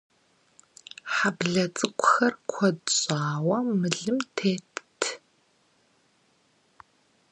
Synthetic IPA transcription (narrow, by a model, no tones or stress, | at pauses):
ħabɮɐt͡sʼɨkʷʰʼʊxɐrkʷʰɔdɕʼaːwɐmɨɮɨmtʰeːttʰ